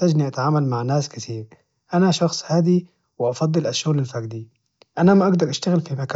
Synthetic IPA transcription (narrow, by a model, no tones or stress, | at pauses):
t̪ad͡ʒniʔat̪ʕaːmalmaʕnaːskɪt̪iːɾ | ʔanaʃɑxsˤhaːd̪i | wɪʔɑfɑd̪ˤːɨlʔaʃːʊɣlalfaɡd̪i | ʔanamaʔaɡd̪ɑɾʔaʃt̪aɣɪlfimaka